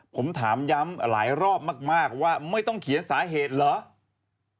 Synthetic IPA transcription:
pʰo˩˦mt̪ʰaː˩˦mja˦˥mla̰ː˩˦jɾɔː˥˩p̚maː˥˩k̚maː˥˩k̚waː˥˩ma˥˩jt̪ɔ˥˩ŋkʰi˨˩˦ənsaː˩˦ɦeː˨˩t̪̚lɤ˨˦

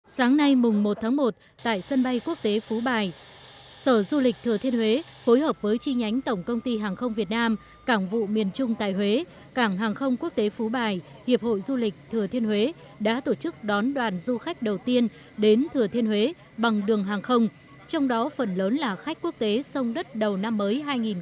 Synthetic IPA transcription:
saː˨˦ŋna˧jmʊ˨˩ŋ͡mmo˨˩t̚t̪ʰaː˨˦ŋmo˨˩t̚ | t̪a̰ː˧˨jsə˧nɓa˧jku˦˥ək̚t̪e˨˦fu˨˦ɓaː˨˩j | səː˧˩zu˧lï˨˩k̟̚t̪ʰɨ˨˩ət̪ʰi˧ənhwe˨˦fo˨˦jɦəː˨˩p̚vəː˨˦jt͡ɕi˧ɲa˨˦jŋ̟t̪ə˧˩wŋ͡mkə˧wŋ͡mt̪i˧ɦaː˨˩ŋxə˧wŋ͡mvi˨˩ət̚naː˧m | kaː˧˩ŋvṵ˧˨mi˨˩ənt͡ɕʊ˧ŋ͡mt̪a̰ː˧˨jɦwe˨˦ | kaː˧˩ŋɦaː˨˩ŋxə˧wŋ͡mku˦˥ək̚t̪e˨˦fu˨˦ɓaː˨˩j | hi˨˩əp̚ho̰˧˨jzu˧lï˨˩k̟̚t̪ʰɨ˨˩ət̪ʰi˧ənhwe˨˦ | ɗa̰ː˧˥t̪o˧˩t͡ɕɨ˦˥k̚ɗɔ˨˦nɗwaː˨˩nzu˧xa˦˥jk̟̚ɗə˨˩wt̪i˧ən | ɗe˨˦nt̪ʰɨ˨˩ət̪ʰi˧ənhwe˨˦ | ɓa˨˩ŋɗɨ˨˩əŋɦaː˨˩ŋxə˧wŋ͡m | t͡ɕɔ˧wŋ͡mɗɔ˨˦fə˨˩nləː˨˦nlaː˨˩xa˦˥k̟̚ku˦˥ək̚t̪e˨˦sə˧wŋ͡mɗə˦˥t̚ɗə˨˩wna˧mːəː˨˦jɦaː˧jŋi˨˩n

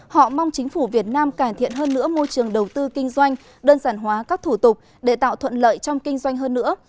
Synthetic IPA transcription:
hɔ̰˧˨ma˧wŋ͡mt͡ɕï˨˦ŋ̟fu˧˩vi˨˩ət̚naː˧mkaː˧˩mt̪ʰḭ˧˨ənɦəː˧nːɨ̰˧˥əmo˧jt͡ɕɨ˨˩əŋɗə˨˩wt̪ɨ˧kï˧ŋ̟zwa˧jŋ̟ | ɗəː˧nzaː˧˩nɦwaː˨˦kaː˦˥k̚t̪ʰu˧˩t̪ʊ˨˩k͡p̚ | ɗe˧˩t̪a̰ː˧˨wt̪ʰwə̰˧˨nlə̰ː˧˨jt͡ɕɔ˧wŋ͡mkï˧ŋ̟zwa˧jŋ̟ɦəː˧nːɨ̰˧˥ə

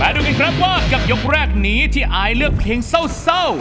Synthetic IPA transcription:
pɛː˦duː˧ka˧nkʰɾa˦˥p̚waː˥˩ka˨˩p̚jo˦˥k̚ɾɛː˥˩k̚niː˦˥t̪ʰiː˥˩ʔaː˧˩jlɯ˥˩ək̚pʰeː˧ŋsa˥˩wsa˥˩w

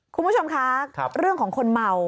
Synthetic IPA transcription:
kʰu˧pu˦˥˩t͡ɕo˧mkʰa˦˥ɾɯ˥˩əŋkɔː˩˦ŋkʰo˧nma˧w

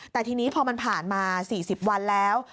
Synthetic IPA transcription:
t̪ɛː˨˩t̪ʰiː˧niː˦˥pʰɔː˧ma˧npʰaː˨˩nmaː˧siː˨˩si˨˩p̚wa˧nlɛː˦˥w

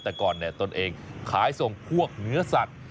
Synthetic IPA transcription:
t̪ɛː˨˩kɔː˨˩nːi˧˩ɐt̪o˧nʔeː˧ŋkʰaː˩˦jso˨˩ŋpʰu˥˩ək̚nɯ˦˥ɐsa˨˩t̪̚

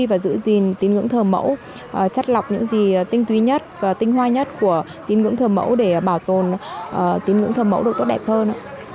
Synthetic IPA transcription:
i˧vaː˨˩zɨ̰˧˥zi˨˩nt̪i˨˦nŋɨ̰˧˥əŋt̪ʰəː˨˩mə̰˧˥w | ʔəː˨˩t͡ɕa˦˥t̚la˨˩wk͡p̚ɲɨ̰˧˥ŋzi˨˩˨t̪ï˧ŋ̟t̪wi˨˦ɲə˦˥t̚vaː˨˩t̪ï˧ŋ̟hwaː˧ɲə˦˥t̚ku˧˩ə | t̪i˨˦nŋɨ̰˧˥əŋt̪ʰəː˨˩mə̰˧˥wɗe˧˩ɓaː˧˩wt̪o˨˩nʔəː˨˩t̪i˨˦nŋɨ̰˧˥əŋt̪ʰəː˨˩mə̰˧˥wɗɨ˨˩k̚t̪o˦˥ɗɛ˨˩p̚həː˧nʔː

